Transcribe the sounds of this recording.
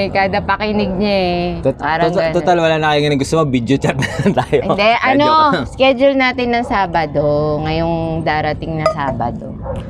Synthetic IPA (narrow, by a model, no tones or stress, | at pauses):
kaːd̪ɐpɐkinɪɡ̚ɲaɛt̪paːɾɐoɐt̪ot̪alwɐlaːnɐkikɐnɐŋɡʊst̪omɐɡ̚bid̪jot͡ʃat̪̚nɐɐnt̪aːjoʔɪd̪ɛʔɐno̞skɛd͡ʒʊlnaːt̪ɪnːɐŋsaːbɐd̪oŋɐjoŋd̪aːɾɐt̪ɪŋnɐsaːbɐd̪o̰